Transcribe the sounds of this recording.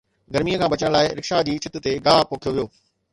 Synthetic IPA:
ɡɐɾmijəkʰãːbɐt͡ɕəɽ̃laːɪɾɪkʃad͡ʑiːt͡ɕʰɪt̪ʊ̆t̪eɡaːpoːkʰijoʋijoː

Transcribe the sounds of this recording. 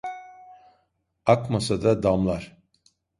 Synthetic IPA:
akmasad̪ad̪amlˠaɾ̥

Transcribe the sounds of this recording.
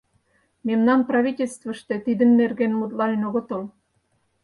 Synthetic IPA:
memnɑnprɑβitʲelʲst̪və̆ʃt̪et̪id̪ə̆nːerɣenmut̪̬lɑnenoɣŏt̪ol

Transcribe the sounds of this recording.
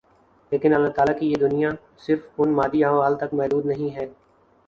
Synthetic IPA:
leːkɪ̃nɐlːaɦt̪aːlakijed̪ʊnija | sɪɾfʊnmaːd̪iãːʋaːlt̪ɐkmɛɦd̪uːd̪nɐɦĩɦɛː

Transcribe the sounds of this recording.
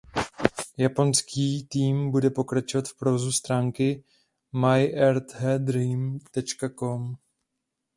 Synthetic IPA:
japo̞nskʰiːt̪iːmbudɛpo̞kɾat͡ʃovat̪fpɾovozust̪ɾaːŋkɪ | majʔɛɾt̪ɦɛd̪ɾimt̪ɛt͡ʃkako̞m

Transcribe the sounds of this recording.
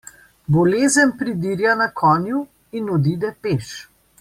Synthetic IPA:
bɔleːzənpɾid̪iːɾjanakʰɔːnju | inɔd̪id̪ɛpeːʃ

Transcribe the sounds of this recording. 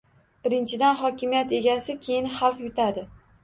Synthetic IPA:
b̥ɪɾɪnt͡ʃʰɪd̪anχɒkʲɪmijat̪e̞ɡʲasɪkʲʰe̞jɪnhafjʊt̪ʰad̪ɪ

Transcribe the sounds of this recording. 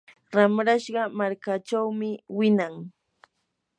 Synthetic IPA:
ɾamɾaʃɢɑmaɾkat͡ʃawmɪwɪnaŋ

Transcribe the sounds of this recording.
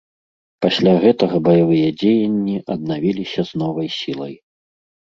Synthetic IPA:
pasʲlʲaɣɛt̪ɐɣɐbɐjavɨjɛd͡zʲejɐnʲːiʔɐd̪̚navʲilʲisʲɐznɔvɐjsʲilˠɐj

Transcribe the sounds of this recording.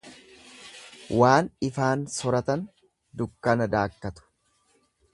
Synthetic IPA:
waːnɪfaːnsɔɾɐt̪ɐn | d̪ʊkːɐnɐd̪aːkːɐt̪ʊ̥

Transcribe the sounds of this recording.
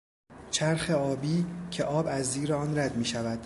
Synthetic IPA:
t͡ʃʰæɾxe̞ɒːbiːcʰe̞ʔɒːbæzːiːɾeɒːnɾæd̪miːʃævæd̪̥

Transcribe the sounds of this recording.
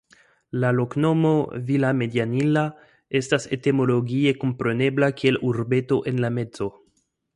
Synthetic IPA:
laloknomovilame̞d̪janila | estasḛt̪emo̞loɡiekompɾeneblakieluɾbetoʔenlamezo

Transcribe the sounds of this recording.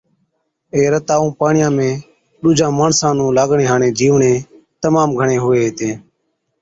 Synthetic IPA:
eːɾət̪aːũːpaːɳɪjãːmẽː | ɗuːd͡ʒʱãːmaːɳsãːnũːlaːɡɳeːɦaːɳeːd͡ʒiːʋɳẽː | t̪əmaːmɡʱəɳẽːɦʊʋeːɦeːt̪ẽː

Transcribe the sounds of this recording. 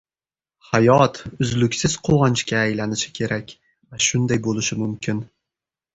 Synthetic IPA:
hajɒt̪ʊzlʊkʲsɪz̥qʰowɑnt͡ʃkʲaːjlanɪʃɪ̥kʲʰe̞ɾakʲ | vaʃʊnd̪ajbolɪʃɪmʊmkʲɪn

